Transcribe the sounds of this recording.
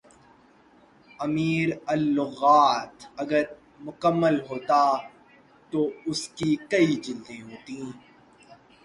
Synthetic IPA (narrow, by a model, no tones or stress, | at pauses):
ɐmiːɾəlːʊɣaːt̪ɐɡəɾ | mʊkəmːəlɦoːt̪a | t̪oːʊskikɐid͡ʒɪld̪ẽɦoːt̪ĩ